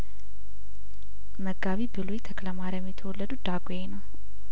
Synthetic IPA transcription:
məɡaβibɨlujt̪ʰəkləmaɾmːjit̪ʰəwolːəd̪ud̪aɡojenəw

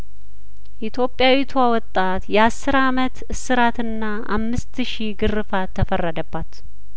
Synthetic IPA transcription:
ʔit̪ʰjo̞pʼːjawit̪ʰuawɔt̪ʼːat̪jɛasːɨɾamət̪ɨsɨɾat̪ʰɨnːaʔa̰mːɨst̪ʃiɡɨrːɨfat̪ʰːəfərːəd̪əbːat̪

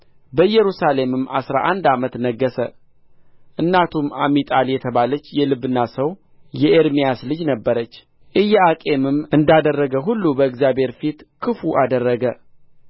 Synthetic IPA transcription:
bəjɛɾusale̞mɨmʔasɾa̰ʔand̪amət̪nəɡːəsə̰ | ʔɨnːat̪ʰumamːit̪ʼaljɛt̪ʰəβalət͡ʃːjɛlɨbːɨnːasəw | jɛʔeɾmijaslɨd͡ʒnəbːəɾət͡ʃː | ʔɨjːɛakʼe̞mɨmɨnd̪ad̪ərːəɡəɦulːubəɨɡzjabhe̞ɾfit̪kʰɨfuʔad̪ərːəɡə

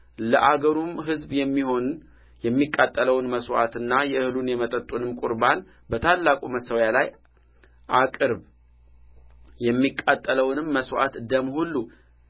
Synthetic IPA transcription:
ləʔaɡəɾumɦɨzbjɛmːiho̞n | jɛmːikʼːat̪ʼːələwnməswa̰t̪ɨnːajɛɨhɨlunjɛmət̪ʼət̪ʼːunɨmkʼʊɾβan | bət̪ʰalːakʼuməsəwjalaj | ʔakʼɨɾβ | jɛmːikʼːat̪ʼːələwnɨmːəswa̰t̪d̪əmhulːu

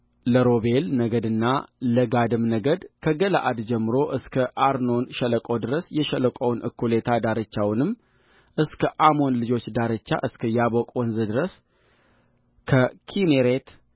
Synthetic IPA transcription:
ləɾo̞be̞lnəɡəd̪ɨnːaləɡad̪ɨmnəɡəd̪kʰəɡəla̰ʔad̪d͡ʒɛmːɨɾo̞ʔɨskʰəʔaɾno̞nʃələkʼod̪ɨɾəsjɛʃələkʼəwnɨ̰kʰːulet̪ʰad̪aɾət͡ʃːawnɨmː | ʔɨskʰəʔamo̞nlɨd͡ʒo̞t͡ʃːd̪aɾət͡ʃːa̰ʔɨskʰəjabokʼwɔnzɨd̪ɨɾəs | kʰəkʰineɾet̪

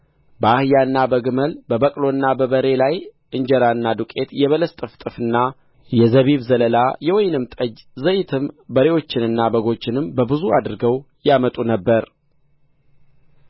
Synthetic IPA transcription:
bəahɨjaɨnːabəɡɨməlbəbəkʼlo̞nːabəβəɾe̞laj | ʔɨɲd͡ʒəɾaɨnːad̪ukʼe̞t̪jɛβələst̪ʼɨft̪ʼɨfɨnːa | jɛzəβiβzələlajɛwɔjnɨmt̪ʼəd͡ʒzəjɪt̪ʰɨmbəɾe̞wo̞t͡ʃːɪnɨnːabəɡo̞t͡ʃːɪnɨmbəbɨzuad̪ɨɾɡəw | jamət̪ʼunəbːəɾ

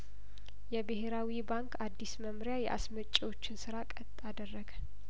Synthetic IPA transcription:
jɛbɨheɾawibaŋkʰʼad̪ːisməmɾjajɛ̰ʔa̰smət͡ʃʼːiwo̞t͡ʃːɪnsɨɾakʼət̪ʼːad̪ərːəɡə

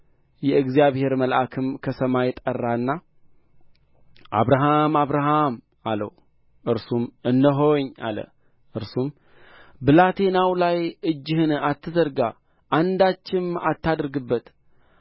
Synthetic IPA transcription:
jɛɨɡzijaβhe̞ɾməlʔakʰɨmkʰəsəmajɛt̪ʼərːaɨnːa | ʔa̰βɾaɦamaβɾaɦam | alə̰w | ʔɨɾsumɨnd̪əɦo̞ɲːa̰lə̰ | ʔɨɾsum | bəlat̪ʰe̞nawlajɨd͡ʒːɪhɨnat̪ʰːɨzəɾɡa | ʔand̪at͡ʃːɪmat̪ʰːad̪ɨɾɡɨbːət̪

